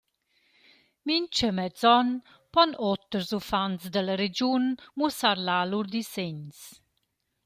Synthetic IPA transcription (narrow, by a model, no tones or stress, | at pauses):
mint͡ʃəmɛzɔn | pɔnɔt̪əɾzufansd̪ələɾed͡ʒunmusaɾlaluɾd̪iseɲs